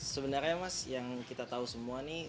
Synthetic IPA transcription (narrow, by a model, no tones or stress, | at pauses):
səbənarɲamasjaŋkit̪at̪ausəmuani